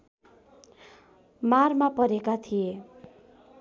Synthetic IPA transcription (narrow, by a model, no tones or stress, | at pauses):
marmapʌɾekat̪ʰije